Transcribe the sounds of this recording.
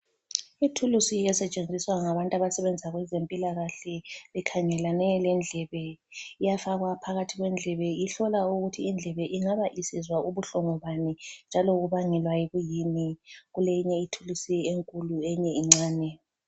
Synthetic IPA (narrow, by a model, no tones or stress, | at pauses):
itʰulusiɛsɛt͡ʃʼend͡zʱiswaŋaβantʼaβasɛβɛnd͡zʱaɣwɛzempʼilaɣaɬɛβɛkʰaŋɛlanɛlɛnd͡ɮʱɛβɛ | ijafaɣwapʰaɣatʰiɣwɛnd͡ɮʱɛβɛjiɬɔlauɣutʰiːnd͡ɮʱɛβɛʔiŋaβaʔisizwaʔuβuɬɔŋɔβanind͡ʒʱalɔɣuβaŋɛlwajiɣujiniɣulɛjiɲɛitʰulusieŋkʼuluɛɲɛiŋ͡ǀaːnɛ